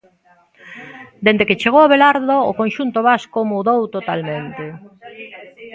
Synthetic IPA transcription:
d̪end̪eket͡ʃeɣowaβelaɾðo̰ːkonʃunt̪oβaskʊmuðowt̪ot̪almẽnt̪e

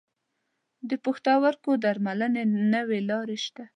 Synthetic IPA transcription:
d̪əpəxt̪ɑwaɾkod̪aɾmalənenəwelɑɾeʃt̪a

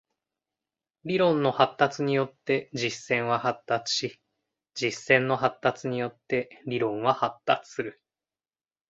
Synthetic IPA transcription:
ɾʲiɾõ̞nːo̞hat̪ːat͡sɨɲ̟ijo̞t̪ːe̞d͡ʑisːẽ̞ɰ̃βahat̪ːat͡sɨ̥ɕi | d͡ʑisːẽ̞nːo̞ɦat̪ːat͡sɨɲ̟ijo̞t̪ːe̞ɾʲiɾõ̞ɰ̃βahat̪ːat͡sɨ̥sɨɾɯ̟

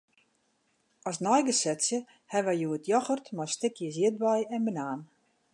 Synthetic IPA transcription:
ɔsnɔjɡəsɛtsjə | hɛʋɛjjuətʰjɔxərtmastɪkʰjəzjiət̚bɛjɛnbənaːn

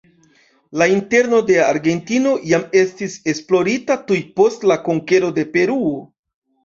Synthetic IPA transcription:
lainte̞ɾno̞de̞aɾɡe̞ntino̞jame̞stise̞splo̞ɾitatujpo̞stlakoŋke̞ɾo̞de̞pe̞ɾuo

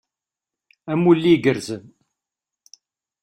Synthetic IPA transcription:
æmulːiɡəɾzəm

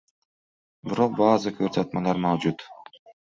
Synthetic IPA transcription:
biɾo̞q̚bɑːzɯkʰøɾsɑt̪mɑlˠɑɾmɑwd͡ʒut̪

